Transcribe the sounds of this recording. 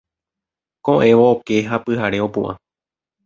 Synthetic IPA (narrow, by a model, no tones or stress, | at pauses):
kõʔẽ̞ʋoːke̞ɦapɨhaɾe̞o̞pṵ̃ʔã̰